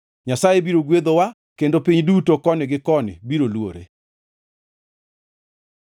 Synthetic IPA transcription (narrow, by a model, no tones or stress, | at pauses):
ɲasajebiɾoɡwed̪owa | kendopiɲdutokɔnɪɡɪkɔnɪ̰biɾolwoɾḛ